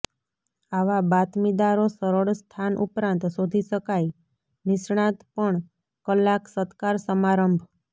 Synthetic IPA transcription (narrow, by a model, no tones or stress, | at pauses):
aʋabat̪mid̪aɾosəɾəɭst̪ʰanʔṵpɾãnt̪sod̪ʱiʃəkaj | nɪsɳ̃ãt̪pəɳ | kəlːaksət̪kaɾsəmaɾəmbʱ